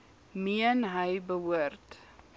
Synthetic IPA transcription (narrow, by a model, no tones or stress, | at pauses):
miənɦəjbəɦuərt